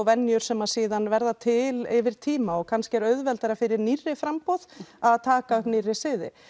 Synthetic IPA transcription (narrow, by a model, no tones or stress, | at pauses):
vɛnːjʏɾ̥sɛmað̥siːðanvɛɾðat̪ʰɪlɪvɪɾ̥t̪ʰiːmaɔɣkʰanscɪɛɾœðvɛlt̪aɾafɪɾɪɾnirːɪfɾampɔðaðt̪ʰaːkaœhknirːɪsɪðɪ̰